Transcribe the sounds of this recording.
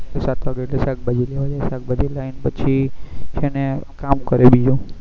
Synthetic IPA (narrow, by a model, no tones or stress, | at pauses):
esat̪ʰʋaɡeeʈlesak̚bad͡ʒileʋad͡ʒasak̚bad͡ʒelainpət͡ʃʰiʃenekamkəɾebid͡ʒu